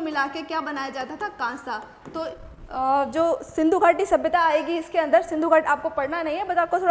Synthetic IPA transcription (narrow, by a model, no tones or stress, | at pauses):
mɪlaːkekjaːbɐnaːjad͡ʒaːt̪at̪ʰakãːsa | t̪oː | d͡ʒoːsɪ̃nd̪ʱuɡʱaːʈːisɐbjət̪aaːeːɡiɪskeɐ̃nd̪əɾsɪ̃nd̪ʱuɡʱaːʈaːp̚kopɐɽnanɐɦĩɦɛbɐsaːp̚kosʰoːɽ